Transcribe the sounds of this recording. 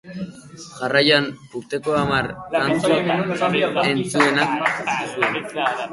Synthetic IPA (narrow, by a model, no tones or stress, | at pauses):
ʝarajanuɾt̪e̞ko̞amaɾat͡su | e̞nt͡sue̞nak̚sue